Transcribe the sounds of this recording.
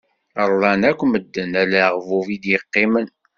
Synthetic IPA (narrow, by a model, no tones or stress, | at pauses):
əɾˤlˤɑnækʷːməd̪ːənælæʁvuvid̪jəqːɪmən